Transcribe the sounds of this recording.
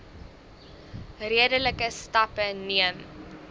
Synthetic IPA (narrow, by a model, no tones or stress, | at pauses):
riədələkəstɐpəniəm